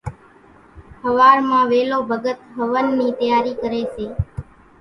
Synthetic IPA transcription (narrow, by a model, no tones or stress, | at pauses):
həʋaːɾmãːʋeːloːbʱəɡət̪ɦəʋənːiːt̪əjaːɾiːkəɾeːseː